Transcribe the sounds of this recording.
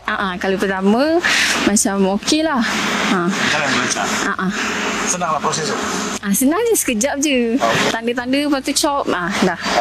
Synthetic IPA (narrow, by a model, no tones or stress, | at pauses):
ʔaʔakalipərt̪amãmat͡ʃamokelahakaljaməlaɲt͡ʃa̰ʔaʔasənaŋlahpɾosɛs | ʔasənaŋd͡ʒəsə̥kəd͡ʒap̚d͡ʒət̪andət̪andəpat̪ut͡ʃɔp̚adah